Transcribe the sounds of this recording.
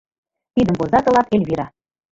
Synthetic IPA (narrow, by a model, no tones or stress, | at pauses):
t̪id̪ə̆mpozɑt̪ɤ̆lˠɑkelʲβiɾɑ